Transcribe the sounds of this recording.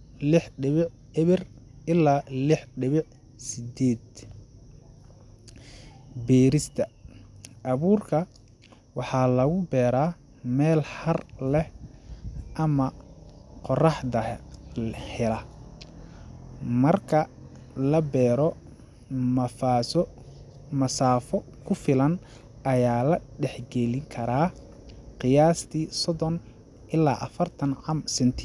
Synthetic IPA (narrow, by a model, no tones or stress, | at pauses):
lɪħɖɪβɪʕ | ɪβɪr | ɪlːaːlɪħɖɪβɪʕ | sɪd̪ɛːd̪ | bɛːɾɪst̪ʰɐ | ʔɐβuːrkʰɐ | wɑħɑːlɐɣʊbɛːɾaː | mɛːlhɐrlɛh | ʔɐmɐ | qɔrɑħd̪ɐ | hɛlɐ | mɐrkʰɐ | lɐbɛːɾɔ | mɐfaːsɔ | mɐsaːfɔkʰʊfɪlɐn | ɐjaːlɐɖɛħɡɛlɪŋkʰɐɾaː | qɪjaːst̪ʰiːsɔðɔn | ʔɪlːaːʔɐfɐrt̪ʰɐnʕɑmsɛnt̪ʰɪ